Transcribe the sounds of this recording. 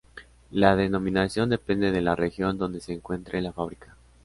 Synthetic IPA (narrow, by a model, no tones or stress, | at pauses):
laðe̞no̞mĩnasjo̞nd̪e̞pe̞nd̪e̞ðe̞larexjo̞nd̪o̞nd̪e̞se̞ːŋkwe̞nt̪ɾʔelafaβɾikḁ